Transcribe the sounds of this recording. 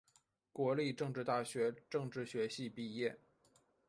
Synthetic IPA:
kwɔ˧˥li˥˧ʈ͡ʂɤ˥˧ŋʈ͡ʂɻ̩˥˧t̪a˥˩ɕɥɛ˧˥ʈ͡ʂɤ˥˧ŋʈ͡ʂɻ̩˥˩ɕɥɛ˧˥ɕi˥˧pi˥˧jɛ˥˩

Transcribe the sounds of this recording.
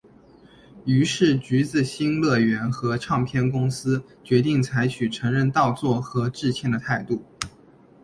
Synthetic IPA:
y˧˥ʂɻ̩˥˩t͡ɕy˧˥t͡sɹ̩˨˩ɕi˥nlɤ˥˩ɥɛ˧˥nxɤ˧˥ʈ͡ʂʰɑ˥˧ŋpʰjɛ˥˩nkʊ˥ŋsɹ̩˥ | t͡ɕɥɛ˧˥t̪i˥˩ŋt͡sʰa˧˥ɪt͡ɕʰy˨˩ʈ͡ʂʰɤ˧˥ŋɻə˥˧nt̪ɑ˥˧ʊt͡swɔ˥˩xɤ˧˥ʈ͡ʂɻ̩˥˧t͡ɕʰjɛ˥˩nd̪ə˩t̪ʰa˥˧ɪt̪u˥˩

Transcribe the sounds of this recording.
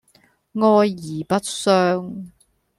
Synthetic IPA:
ŋɔː˧jːiː˨˩pɐ˥t̚sœː˧˥ŋ

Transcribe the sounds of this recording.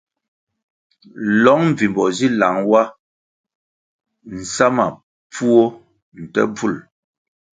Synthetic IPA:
lɔ˨˦ŋm̩˨vi˨mbɔ˨zi˦la˨˦ŋwa˦ | n̩˨sa˦ma̰˨ | p͡fu˦o˦ | n̩˨tɛ̰˦bu˦˨l

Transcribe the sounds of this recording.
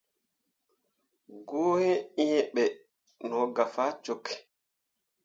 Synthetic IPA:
ɡoː˦hɛ˦i˦jɛɓɛ | nɔ˨ɡa˨faː˦t͡ʃokʰːɛ̥

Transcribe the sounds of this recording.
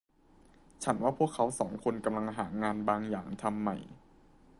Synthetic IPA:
t͡ɕʰa˦˥nwaː˥˩pʰu˥˩əkʰːa˦˥wsɔː˩˦ŋkʰo˧nka˧mla˧ŋɦaː˩˦ŋaː˧nbaː˧ŋjaː˨˩ŋt̪ʰa˧mːa̰˨˩j

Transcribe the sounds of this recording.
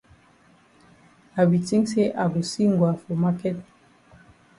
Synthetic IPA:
a˨bi˨ti˦ŋse˦ʔa˨ɡo˨si˦ŋ˨ɡwa˨fo˨ma˦kɛ˦t̚

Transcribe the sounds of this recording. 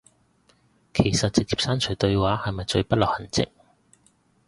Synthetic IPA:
kʰe˨˩jsɐ˨t̚t͡sɪ˨k̚t͡siː˨p̚saː˥nt͡ʃʰɵ˨˩jt̪ɵ˧ɥwaː˨˥hɐ˨jmɐ˨jt͡ʃɵ˧pɐ˥t̚lɐ˨˩hɐ˨˩nt͡sɪ̰˨˥k̚

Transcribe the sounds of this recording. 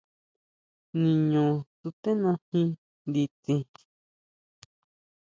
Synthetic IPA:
nĩ˧ɲũ˨t̪u˧t̪ẽ˦nõ˧hĩ˧ | nd̪i˧t͡sĩ˧

